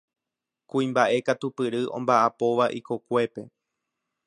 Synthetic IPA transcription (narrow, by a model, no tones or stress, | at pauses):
kũĩmbaʔe̞kat̪upɨɾɨʔõ̰mbaʔapo̞ʋaʔiko̞kʷe̞pe̞